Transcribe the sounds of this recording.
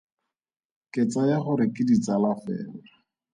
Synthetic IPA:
kɪt͡sajaχʊɾɪkɪdit͡salafɛ̰ːla

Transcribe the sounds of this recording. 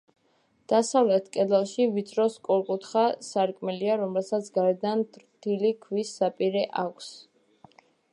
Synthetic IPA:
d̪̥asavlɛt̪ʰkʼɛd̪alˠʃivit̪sʰʼɾɔskʼɔlˠqʼut̪χasaɾkʼmɛliaɾɔmɛlˠsat̪sʰɡaɾɛd̪ant̪ʰɾt̪ʰilikʰwisːapʼiɾɛʔakʷʰs

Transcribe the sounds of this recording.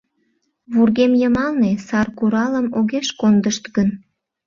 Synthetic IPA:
βurɣemjəmɑlnesɑrkuɾɑləmoɣeʃkond̪əʃt̪ɡən

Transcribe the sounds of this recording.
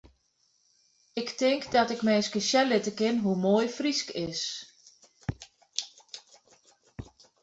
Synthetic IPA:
ɪktɪŋkdɔtɪkmɛːskəsjɛlɪtəkɪnɦumoːjfriskɪs

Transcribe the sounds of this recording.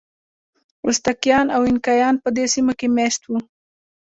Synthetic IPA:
ʊst̪akjɑnawɪnkɑjɑnpəd̪esimokemeʃt̪wu

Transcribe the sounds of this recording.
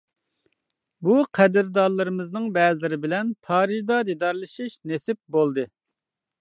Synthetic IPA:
buqʰɛd̪ɪɾd̪ɑɾlˠɨɾɨmɨznɨŋbɛːzlɪɾɪbɪlɛnpʰɑːɾɨʒd̪ɑd̪id̪ɑɾlˠɨʃiʃnesɪp̚bolˠd̪ɨ

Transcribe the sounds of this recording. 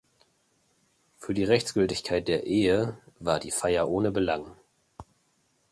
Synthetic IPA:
fyːɐdiːʁɛçt͡sɡ̥ʏltɪçkʰaɪt̚d̥eːɐʔeːəvaːɐdiːfaɪɐʔoːnəbəlaŋ

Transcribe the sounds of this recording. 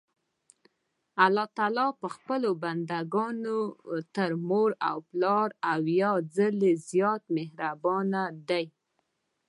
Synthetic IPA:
alɑt̪ɑlɑpəxpəloband̪aɡɑnot̪əɾmoɾawplɑɾawjɑd͡zəlezjɑt̪mehɾabɑnad̪aj

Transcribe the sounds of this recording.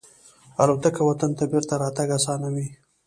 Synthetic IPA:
alot̪akawat̪ant̪abeɾt̪aɾɑt̪aɡasɑnawi

